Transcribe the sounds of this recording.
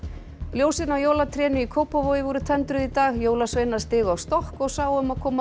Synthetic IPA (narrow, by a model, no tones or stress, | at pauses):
ljoːwsɪnawjoːwlat̪ʰɾɛːnʏikʰoːwpavojɪvɔɾʏt̪ʰɛnt̪ɾʏðit̪aːɣjoːwlasvejnḁst̪ɪːɣʏawst̪ɔhkɔɣsaːwʏmaðkʰɔːma